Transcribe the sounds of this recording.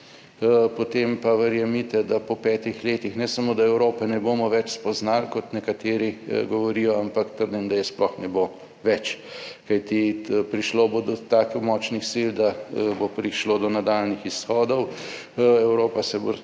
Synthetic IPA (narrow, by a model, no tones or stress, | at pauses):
pot̪eːmpaʋəɾjamit̪ɛd̪apɔpɛːt̪ixleːt̪ixnɛsamoːd̪aɛwɾoːpɛnɛboːmɔʋɛt͡ʃspɔznalkɔt̪nɛkat̪eːɾiɡɔʋɔɾijɔampakt̪əɾd̪imd̪ajɛsplɔxnɛbo | ʋɛt͡ʃ | kajt̪ipɾiʃloːbod̪ɔt̪aːkɛmɔːt͡ʃnixsild̪abopɾiʃloːd̪ɔnad̪aːlnixisxɔːd̪ɔw | ɛwɾoːpasɛbo